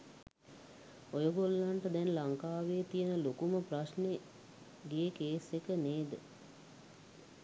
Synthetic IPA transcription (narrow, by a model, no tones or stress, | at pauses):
ojoɡolːaɳʈəd̪ɛnlaŋkaːʋejːt̪ijənəlokuməpraʃne | ɡejekeːsekəneːd̪ə